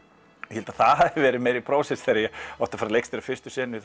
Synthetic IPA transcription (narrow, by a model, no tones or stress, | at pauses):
jɛhɛlt̪aθaðɦaðɪvɛːɾɪðmeːjɾɪpʰɾoːwsɛsθɛːɾajɛɔht̪afaːɾalejkst̪ɪɾafɪrst̪ʏsɛːnɪ